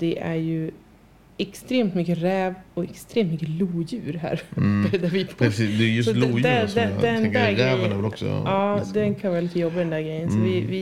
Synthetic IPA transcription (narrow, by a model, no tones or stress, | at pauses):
d̪̥ɛʔæɾjɵ | ɛkst̪ɾeːmt̪mʏkːəɾɛːvɔɛkst̪ɾeːmt̪mʏkːəluːjʉ̟ːɾɦæ̰ːɾbd̪æɾvɪpʰsisd̪ɛjsɔld̪d̪ɛd̪ɛnd̪æɾɡɾɛvævɛlɔksɔ̰ɑːd̪ɛnkʰaɛlɪt̪ːəjɔbːad̪ɛnd̪æːɡɾɛjːənsɔvɪvɪ